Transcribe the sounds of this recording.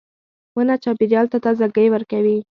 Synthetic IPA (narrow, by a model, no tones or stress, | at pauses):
wənat͡ʃɑbiɾjɑlt̪at̪ɑzaɡəjwəɾkawi